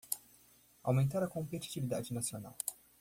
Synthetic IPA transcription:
awment̪aɾakompet̪i̥t̪ivid̪ad͡ʒinat̪siona̰l

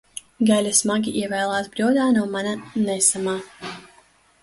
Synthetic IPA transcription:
ɡalʲasmaɡʲiʔiɛvɛːlˠaːsbɾʲɔd̪aːnuɔmananɛsamaː

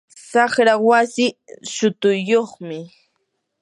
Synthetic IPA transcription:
saχɾawasɪʃʊt̪ʊjːoχmɪ

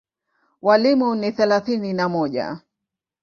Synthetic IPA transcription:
walimuniθɛlaθininamɔʄa̰

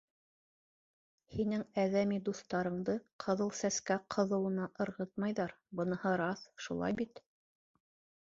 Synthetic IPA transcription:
hinɘŋæðæmid̪uθt̪ɑɾɤ̆ɴd̪ɤqʰɤ̆ðɤlˠsæskæqʰɤ̆ðɤ̆wɤ̆nɑʔɤ̆ɾʁɤt̪̚mɑjðɑɾbɤ̆nɤ̆hɤɾɑθʃulˠɑ̰jbit̪

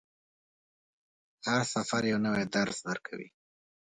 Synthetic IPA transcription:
haɾsafaɾjawnəwed̪aɾzd̪əɾkʰa̰wḭ

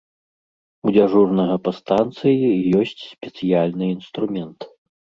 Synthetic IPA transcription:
ud͡zʲaʐurnɐɣɐpɐst̪ant̪sɨjijɔsʲt͡sʲspʲɛt̪sɨjalʲnɨinst̪ɾumʲɛnt̪

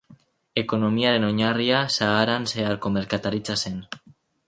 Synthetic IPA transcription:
e̞ko̞no̞miaɾe̞no̞ɲariasaːɾanse̞aɾko̞me̞ɾkat̪aɾit͡sase̞n

